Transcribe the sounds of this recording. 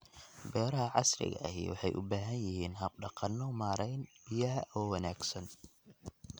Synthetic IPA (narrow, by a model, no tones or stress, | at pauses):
bɛːɾɐɦɐʕɑsɾɪ̰ɣɐ̰ʔɐ̰hḭːwɑħɑjʔʊ̰baːɦɐnjɪhiːnɦɐb̚ɖɑqɑnːɔmaːɾɛjnbɪjɐɦɐʔɔwɐnaːɡsɐn